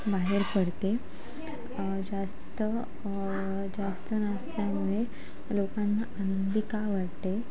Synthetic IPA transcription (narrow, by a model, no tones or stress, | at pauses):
baɦeɾpəɽt̪e | d͡zast̪ə | d͡zast̪ənasljamuɭe | lokãnːaanənd̪ʱikaʋaɽt̪e